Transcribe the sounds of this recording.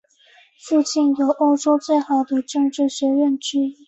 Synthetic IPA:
fu˥˧t͡ɕi˥˩njo˨˩ʊʔo˥ʊʈ͡ʂo˥ʊt͡swe˥˩ɪxɑ˨˩ʊd̪ə˦ʈ͡ʂɤ˥˧ŋʈ͡ʂɻ̩˥˩ɕɥɛ˧˥ɥɛ˥˧nʈ͡ʂɻ̩˥i˥˩

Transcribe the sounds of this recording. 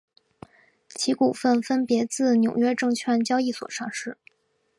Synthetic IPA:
t͡ɕʰi˧˥ku˨˩fə˥˩nfə˥npjɛ˧˥t͡sɹ̩˥˩njo˨˩ʊɥɛ˥ʈ͡ʂɤ˥˧ŋt͡ɕʰɥɛ˥nt͡ɕjɑ˥ʊi˥˩swɔ̰˨˩ʂɑ˥˧ŋʂɻ̩˥˩

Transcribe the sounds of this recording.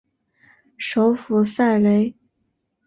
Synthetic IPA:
ʂo˧˥ʊfu˨˩sa˥˩ɪle˧˥ɪ

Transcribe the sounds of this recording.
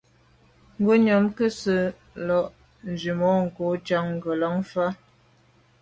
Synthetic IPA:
ŋ̩˦ɡo˦ɲɔ˨mkə˦sə˨ | lɔ˨ʔ | n̩˨zi˨mɔ˨˦ŋ̩˨ko˨˦t͡ʃa˦ŋ̩˨ɡə˨lɔ˨˦ŋfa˦

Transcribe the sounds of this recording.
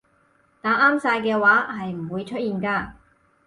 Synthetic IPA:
t̪aː˨˥ʔaː˥msaː˧jkɛː˧waː˨˥ɦɐ˨jm̩˨˩wuː˨˧jt͡ʃʰɵ˥t̚jiː˨nkaː˧

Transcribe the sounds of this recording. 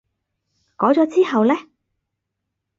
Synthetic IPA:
kɔː˨˥t͡sɔː˨˧˥t͡siː˥hɐ˨wlɛː˥

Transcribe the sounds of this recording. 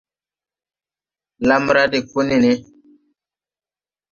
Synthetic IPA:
la˦mɾa˦di˨ku˦ni˨ni˦

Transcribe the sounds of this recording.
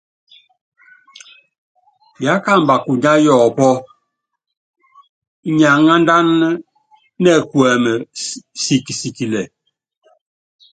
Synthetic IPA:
ja˨˦ka˦˨m˨ba˨ku˨ɲa˦jɔ˨pɔ˦ | ɲa˨ŋa˦nda˦nː˦ | ɛ˦˨kwɛ˨mɛ˨si˨ki˨si˨ki˨lɛ˨

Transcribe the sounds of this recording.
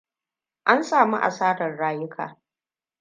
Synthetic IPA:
ʔa˦nsʼaː˨mḭ˦ʔa̰˨saː˦ɽɐ˨rɽaː˦jʊ˦kʰa̰ː˨

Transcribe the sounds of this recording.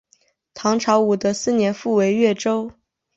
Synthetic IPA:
t̪ʰɑ˧˥ŋʈ͡ʂʰɑ˧˥ʊu˨˩d̪ə˦sɹ̩˥˩njɛ˧˥nfu˥˩we˧˥ɪɥɛ˥˩ʈ͡ʂo˥ʊ

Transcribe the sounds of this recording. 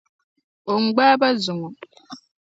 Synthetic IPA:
o˨ŋ͡m̩˨ɡ͡baː˦ba˦zu˨ŋu˨

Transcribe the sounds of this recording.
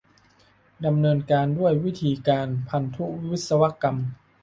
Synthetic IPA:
da˧mnɤː˧nkaː˧ndu˥˩əjwi˦˥t̪ʰiː˧kaː˧npʰa˧nt̪ʰu˦˥wi˦wi˦˥t̪̚sa˧wa˦˥ka˧m

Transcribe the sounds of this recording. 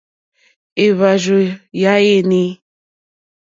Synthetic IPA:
e˨βa˨ʒo˨ja˨˦je˦ni˦

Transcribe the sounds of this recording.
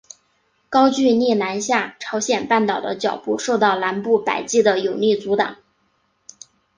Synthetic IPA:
kɑ˥ʊt͡ɕy˥˧ni˥˩na˧˥nɕja˥˩ʈ͡ʂʰɑ˧˥ʊɕjɛ˨˩npa˥˩nt̪ɑ˨˩ʊd̪ə̰˦t͡ɕjɑ˨˩ʊpu˥˧ʂo˥˧ʊt̪ɑ˥˩ʊla˧˥npu˥˩pa˨˩ɪt͡ɕi˥˩d̪ə˩jo˨˩ʊni˥˩t͡su˧˥t̪ɑ˨˩˦ŋ

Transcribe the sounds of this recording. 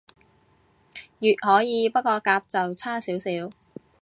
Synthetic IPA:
jyː˨t̚hɔː˨˥jiː˨˧pɐ˥kʷɔː˧kaː˧p̚t͡sɐ˨wt͡sʰaː˥siː˨˥wsiː˨˥w

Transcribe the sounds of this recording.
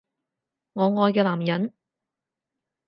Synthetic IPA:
ŋɔː˨˧ŋɔː˧jkɛː˧laː˨˩mjɐ˨˥n

